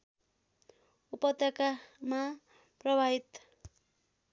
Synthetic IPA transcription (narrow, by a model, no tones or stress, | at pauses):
upʌt̪ʌkama | prʌbʱaɦit̪